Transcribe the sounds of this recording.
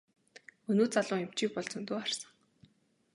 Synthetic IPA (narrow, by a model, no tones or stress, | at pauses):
ɵnoːt̪̚t͡saɮʊːem̥t͡ɕiːk̚pɔɮt͡sɞ̆nt̪oːχarsə̥̆ŋ